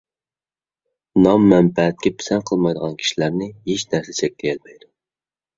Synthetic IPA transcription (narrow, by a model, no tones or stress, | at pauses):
nɑmːɛmpɛɦɛt̪̚kʲɛpʰɪ̥sɛnqʰəlˠmɑjd̪əʁɑnkʲʰi̥ʃilæɾnɪɦeʃnæɾsɛt͡ʃʰɛk̚ʲlɪjɛlmɛjd̪u